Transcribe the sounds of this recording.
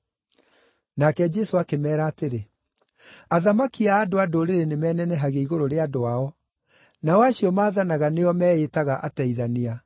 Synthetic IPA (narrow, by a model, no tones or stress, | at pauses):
nakɛd͡ʑɛsoakemɛːɾaːteɾe | aðamakiaːdoadoɾeɾenemɛːnɛnɛɦaɣeiɣoɾoɾeadoaɔ | nawaɕiɔmaːðanaɣaneɔmɛːetaɣaʔatɛiðania